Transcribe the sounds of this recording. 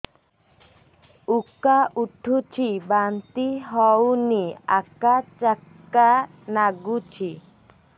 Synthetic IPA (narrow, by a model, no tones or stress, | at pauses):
ukːaʔuʈʰːut͡ʃʰibant̪iɦɔwnia̰kat͡ʃakːa | naɡut͡ʃʰi